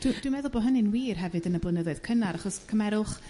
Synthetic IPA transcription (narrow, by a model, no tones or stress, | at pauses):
d̥ud̥wumɛðʊlˠbɔɦənɪnwiːrɦɛvɨdənəblˠənəðɔɨð̥kʰənaɾʔaχɔskʰəmɛɾʊχ